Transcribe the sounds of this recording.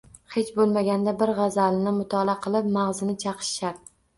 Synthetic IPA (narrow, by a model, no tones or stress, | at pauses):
he̞t͡ʃbolˠmaɡʲand̪abɪɾʁɑzalɪnɪmʊt̪ʰɒlˠaqʰɨlˠɪpmaʁzɪnɪt͡ʃʰɑqʰɨ̥ʃʃaɾ